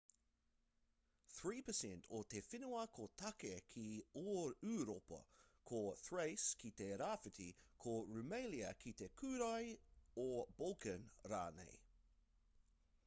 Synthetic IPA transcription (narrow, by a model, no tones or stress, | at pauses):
θɹiːpəsɛ̃ntʰot̪efɪnuɐkʰot̪ʰakekʰioːʉːɾopə̰kʰoθɹeɪskʰit̪eɾaːfɪt̪ʰikʰoɹʉmejliə̰kʰit̪ekʰʉːɾajobolkənɹa̰ːnḛj